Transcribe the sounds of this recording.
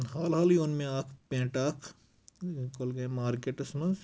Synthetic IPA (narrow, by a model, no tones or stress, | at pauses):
ɦaːlɦaːliʊnmẽaːkʰpẽːʈaːkʰ | kolɡɐmaːɾkeːʈɐsmɐnz